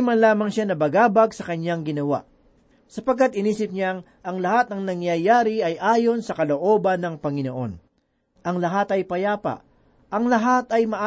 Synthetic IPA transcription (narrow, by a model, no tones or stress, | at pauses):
mɐnlaːmɐŋʃanɐbɐɡaːbɐɡsɐkɐɲːaŋɡɪnɐwa̰ʔ | sɐpɐɡkːat̪ɪniːsɪp̚ɲaŋ | ʔɐŋlɐhat̪̚ɐŋnɐŋjɐjaːɾɪɐjʔaːjo̞nsɐkɐlo̞ʔo̞ːbɐnːɐŋpɐŋɪno̞ʔo̞n | ʔɐŋlɐɦat̪ɐjpɐjaːpɐ̰ʔ | ʔɐŋlɐɦat̪ɐjmɐʔ